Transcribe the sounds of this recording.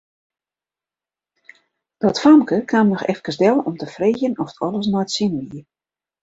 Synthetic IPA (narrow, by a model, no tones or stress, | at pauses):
d̥ɔtfamkəkʰamnɔxɛfkəsdɛlˠɔmtəfreːxjənɔftɔlˠəs̬nɔjətsinəʋiə